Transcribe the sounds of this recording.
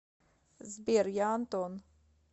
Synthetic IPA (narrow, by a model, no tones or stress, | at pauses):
zbiɛɾjant̪on